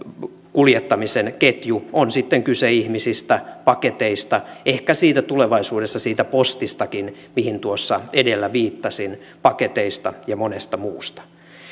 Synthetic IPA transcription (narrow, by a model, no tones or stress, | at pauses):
kuljet̪ːɑmisenket̪juonsit̪ːeŋkyseihmisist̪æpɑket̪eist̪ɑehkæsiːt̪æt̪uleʋɑisuːdest̪ɑsiːt̪æpost̪ist̪ɑkinmihint̪uosːɑedelːæʋiːt̪ːɑsin | pɑket̪eist̪ɑjɑmonest̪ɑmuːst̪ɑ̥